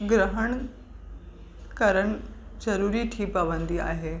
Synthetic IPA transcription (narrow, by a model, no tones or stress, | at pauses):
ɡɾəɦəɳ̃ | kəɾəɳ̃d͡ʑɐɾuːɾiʈʰiːpabənd̪ia̰ːɦe